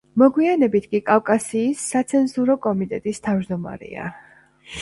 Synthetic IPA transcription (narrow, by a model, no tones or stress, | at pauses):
mɔɡwianɛbit̪ʰkʼikʼafkʼasiːsːat̪sʰɛnzuɾɔkʼɔmit̪ʼɛt̪ʼist̪ʰavd͡ʒd̪ɔma̰ɾɛ̰a̰